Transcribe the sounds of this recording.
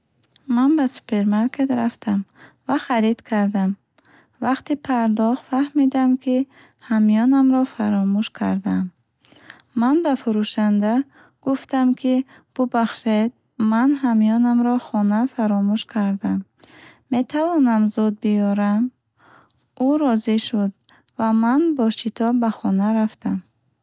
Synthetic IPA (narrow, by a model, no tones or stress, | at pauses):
manbasu̥pʰe̞ɾmaɾkʰe̞t̪ɾaft̪ʰam | vaχaɾid̪̥kʰaɾd̪am | vaqt̪ipʰaɾd̪ɔχfahmid̪amkʰi | hamijɔnamɾɔfaɾɔmuʃkʰaɾd̪amː | anbafuɾuʃand̪a | ɡ̥uft̪amkʰi | b̥ubaχʃed̪̚ | manɦamiɔnamɾɔχɔnafaɾɔmuʃkʰaɾd̪amː | e̞t̪ʰavɔnamzud̪̚bijɔɾam | uɾɔziʃud̪̚ | vamanbɔʃit̪ʰɔbaχɔnaɾaft̪am